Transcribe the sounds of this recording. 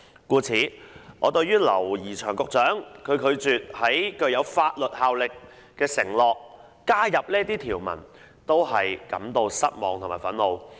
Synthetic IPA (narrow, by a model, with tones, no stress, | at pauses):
kuː˧t͡sʰiː˨˥ŋɔː˨˧t̪ɵ˧ɥjɥyː˥lɐ̰˨˩wjiː˨˩t͡ʃʰœː˨˩ŋkʊ˨k̚t͡ʃœː˨˥ŋkʰɵ˨˧ɥkʰɵ˨˧ɥt͡syː˨t̚hɐ˨˥jkɵ˧ɥjɐ˨˧wfaː˧t̚lɵ˨t̚haː˨˧wlɪ˨kː | ɛː˧sɪ˨˩ŋlɔː˨k̚ː | aː˥jɐ˨p̚liː˥t̪iː˥t̪ʰiː˨˩wmɐ̰˨˩n | t̪o˥wɦɐ˨jkɐ̰˨˥mt̪o˧wsɐ˥t̚mɔ̰ː˨˧ŋt̪ʰʊ˨˩maː˨˩fɐ˨˥nlo˨˧w